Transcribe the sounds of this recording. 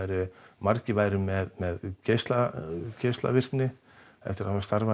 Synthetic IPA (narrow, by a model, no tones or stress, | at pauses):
aɾʏmaɾcɪvaːjɾʏmɛðmɛðcest̪lacest̪la̰vɪr̥knɪ | ɛ̰ft̪ɪɾaavast̪aɾva